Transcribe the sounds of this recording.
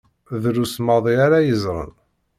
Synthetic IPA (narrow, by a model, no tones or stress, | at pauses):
ðɾusmɑðˤiaɾajəzˤɾˤə̰n